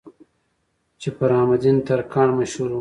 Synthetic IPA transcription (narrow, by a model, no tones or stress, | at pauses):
t͡ʃepəɾɑːmad̪int̪aɾkɑːɳmaʃhuɾu